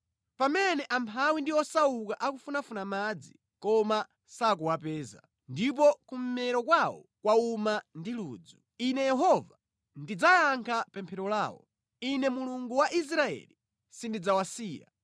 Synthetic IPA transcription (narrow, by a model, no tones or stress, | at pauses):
pamɛnɛʔampʰawindiwɔsaukaʔakufunafunamad͡zi | kɔma | sak̬uwapɛːza̰ | ndip̬ɔkum̩mɛɾɔkwawɔ̰kwaumandiluːd͡zu | inɛjɛɦɔva | ndid͡zajaŋkʰapɛmpʰɛɾɔlaːwɔ̰ | inɛmuluŋɡuwaʔis̬ɾaɛ̰li | sindid͡zawasiːja̰